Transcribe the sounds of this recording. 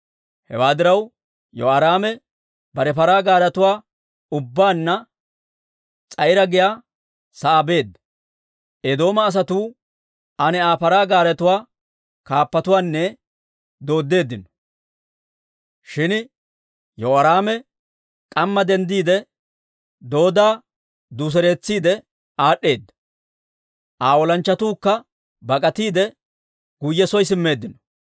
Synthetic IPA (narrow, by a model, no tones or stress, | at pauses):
hɛ̰waːd̪ɪɾɐw | jɔɐɾaːmɛ | bɐɾɛpɐɾaːɡaːɾɐt̪ʊwaː | ʊbːaːnːɐ | t͡sʼɐjɪɾɐɡɪjaː | sɐʔabe̞ːd̪ːɐ | ʔed̪o̞ːmɐːs̬ɐt̪uː | ʔɐnɛaːpɐɾaːɡaːɾɐt̪ʊwaː | kaːpːɐt̪ʊwaːnːɛ | d̪o̞ːd̪ːe̞ːd̪ːɪnɔ̥ | ʃɪn | joɐɾaːmɛ | kʼɐmːɐd̪ɛnd̪iːd̪ɛ | d̪o̞ːd̪aː | d̪us̬ɛɾeːt͡sːiːd̪ɛ | ʔaːɗːe̞ːd̪ːɐ̥ | ʔaːwɔlɐnt͡ʃːɐt̪uːkːɐ | bɐkʼɐt̪iːd̪ɛ | ɡ̥ʊjːɛsɔjs̬ɪmːe̞ːd̪ːɪnɔ